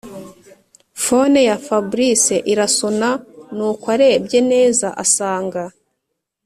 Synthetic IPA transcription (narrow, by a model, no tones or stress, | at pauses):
fo̞ne̞jafabɾise̞ʔiɾasonanuːkwaɾe̞ːbɟe̞ne̞ːzaʔasaːŋɡa